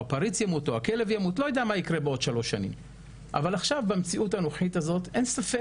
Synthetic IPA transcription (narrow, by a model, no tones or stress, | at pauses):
apaɾit͡sjamuto̞ake̞levjamutlo̞jedamaikʁe̞beo̞d̥̪ʃalo̞ʃanḭm | ʔa̰valaχʃavbamt͡siʔutanoχitazo̞te̞nsafe